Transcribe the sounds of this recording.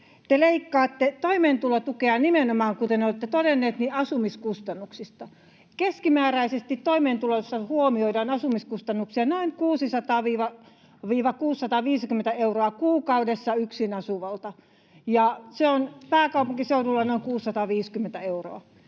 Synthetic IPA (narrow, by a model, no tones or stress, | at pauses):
t̪eleikːɑːt̪ːet̪oimeːnt̪ulot̪ukeɑnimenomɑːŋkut̪enolːt̪ːet̪odenːeːt̪niɑsumiskust̪ɑnːuksist̪ɑ | keskimæːræisest̪it̪t̪oimeːnt̪ulosːɑhuomioidɑnɑsumiskust̪ɑnːuksiɑnoiŋkuːsisɑt̪ɑːʋiːʋɑ | ʋiːʋɑkuːsːɑt̪ɑːʋiːskymːent̪æeuroɑkuːkɑudesːɑyksinɑsuʋɑlt̪ɑ | jɑseonpæːkɑupuŋkiseudulːɑnoiŋkuːsːɑt̪ɑːʋiːskymːent̪æeuro̰ɑ